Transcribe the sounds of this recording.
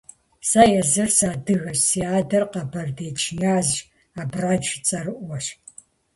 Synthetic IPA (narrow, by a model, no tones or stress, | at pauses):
saːjɛzɨrsaːdɨɣɐɕsiaːdɐrqɐbɐrdeːt͡ʃʰʼɪnaːzʒ | aːbraːd͡ʒɪt͡sʼɐrɨʔʷwɐɕ